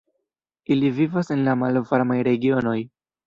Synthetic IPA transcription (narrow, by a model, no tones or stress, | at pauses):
ilivivase̞nlamalvaɾmajɾe̞ɡio̞no̞j